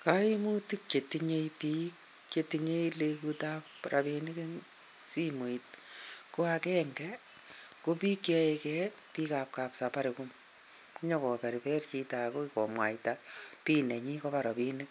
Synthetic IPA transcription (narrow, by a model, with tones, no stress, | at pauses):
ka˦i˦mu˦ti˦kt͡ʃe˨tiɲe˦ipik | ketiɲe˦ilekutapːɾʔa˨bini˦ke˦ŋ | si˦mo˨it̚ko˦akɛŋɡɛ | ko˦pi˦kja˧ekɛ | pi˦ka˨p̚kapsapa˦ɾekum | ku˦ɲo˧kɔ˨pɛ˨ɾipɛ˦rt͡ʃi˧tako˦kɔ˨mwa̰˨jtapi˦ne˨ɲi˦kɔpa˨ɾo˨pini˦k̚